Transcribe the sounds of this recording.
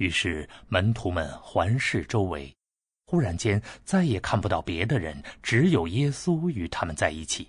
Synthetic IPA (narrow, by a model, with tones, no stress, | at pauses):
y˧˥ʂɻ̩˥˩mə˧˥nt̪ʰu˧˥mə̰˧nxwa˧˥nʂɻ̩˥˩ʈ͡ʂo˥ʊwḛ˧˥ɪ | xu˥ɻa˧˥nt͡ɕjɛ˥nt͡sa˥˩ɪjɛ˨˩kʰa˥˩npu˧t̪ɑ˥˩ʊpjɛ˧˥d̪ə˧ɻə̰˧˥nʈ͡ʂɻ̩˧˥jo˨˩ʊjɛ˥su˥y˧˥t̪ʰa˥mə˨nt͡sa˥˧ɪi˥˩t͡ɕʰi˨˩˦